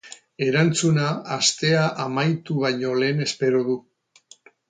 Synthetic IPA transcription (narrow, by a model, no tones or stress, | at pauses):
e̞ɾant͡sunaast̪e̞aʔamajt̪uβ̞ajɲo̞le̞ːne̞spe̞ɾoðu